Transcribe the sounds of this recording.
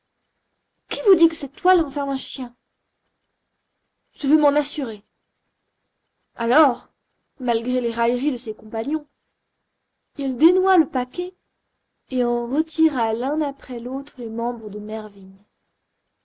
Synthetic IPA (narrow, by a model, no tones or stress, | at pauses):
kʲivud̪ikəsɛt̪t̪ːwalɑ̃fɛʁmɛ̃ʃjɛ̃ | ʒ̥əvømɑ̃nasyʁe | alɔʁ | malɡʁeleʁajʁid̪əsekɔ̃paɲjɔ̃ | ild̪enwaləpakʲɛ | eɑ̃ʁət̪ʰiʁalɛ̃napχɛlot̪χlemɑ̃bʁəd̪əmɛʁvin